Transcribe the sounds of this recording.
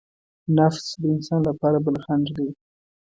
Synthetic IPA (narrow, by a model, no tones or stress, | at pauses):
nafsd̪əɪnsɑnlapɑɾabəlxaɳd͡ʒd̪e